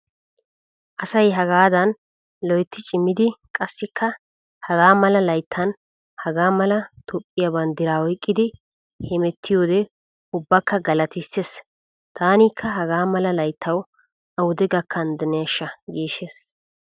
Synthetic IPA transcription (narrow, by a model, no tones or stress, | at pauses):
ʔɐsɐjɦɐɡaːd̪ɐn | lɔjt̪ːɪt͡ʃʼɪmːɪd̪ɪkʼɐsːɪkʰːɐ | hɐɡaːmɐlɐlɐjt̪ʰːɐn | hɐɡaːmɐlɐt̪ʰɔpʼːɪjabɐnd̪ɪɾaːɔjkʼːɪd̪ɪ | hɛmɛt̪ʰːɪjo̞ːd̪ɛ | ʊbːɐkːɐɡɐlɐt̪ɪsːes | t̪ʰaːniːkʰːɐɦɐɡaːmɐlɐlɐjt̪ʰːɐw | ʔɐwʊd̪ɛɡɐkʰːɐnd̪ɛneːʃːɐɡeːʃːes